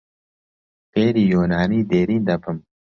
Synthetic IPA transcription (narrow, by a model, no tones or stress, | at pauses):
keːɾiːjoːnaːniːd̪eːɾĩːnd̪ɐpʰɐm